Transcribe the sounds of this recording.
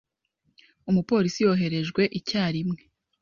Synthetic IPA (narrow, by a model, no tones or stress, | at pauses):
umupo̞ːɾisijo̞ɦe̞ɾe̞ʒɡwe̞ʔicaːɾimŋe̞